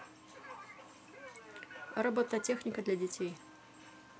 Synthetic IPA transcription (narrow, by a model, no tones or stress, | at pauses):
rɐbot̪əətʲexnʲɪkəd̪lʲɐdʲɪtʲej